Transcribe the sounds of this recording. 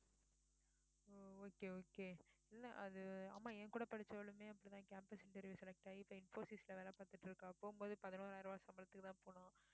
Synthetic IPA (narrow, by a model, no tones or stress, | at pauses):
ooːkeoːkeːɛlːɐʔɐðɯa̰ːmːaːẽːkuːɽɐpɐɽɪt͡ʃːɐʋɐɭɯmeːɐpːɔɽit̪ãːkaːmpɐsɪɳʈɐɾʋisɛlɛk̚ʈaːɪpːoːɪnfoːsisɪlɐʋeːlɛ̃paːɾt̪ɯʈːɪɾɯkːãɐpːoːɯmboːðɯpɐðɯnoːɾaːɪɾɯʋaːsɐmbɐlɐt̪ːɯkːɯt̪ãːpoːɳãː